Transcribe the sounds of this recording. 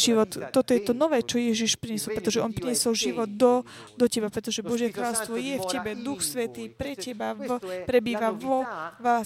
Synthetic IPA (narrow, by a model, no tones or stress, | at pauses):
ʒiʋɔt̪ːɔt̪ɔjɛt̪ɔnɔʋɛːt͡ʃɔjɛʒiʃpɾiɲɛsɔlpɾɛt̪ɔʒɛʔɔnpɾiɲɛsɔlʒiʋɔd̪d̪ɔ | d̪ɔcɛbapɾɛt̪ɔʒɛbɔʒjɛkɾaːlɔst̪ʋɔjɛfcɛbɛd̪uxsʋɛt̪iːpɾɛcɛbavpɾɛbiːʋaʋɔʋa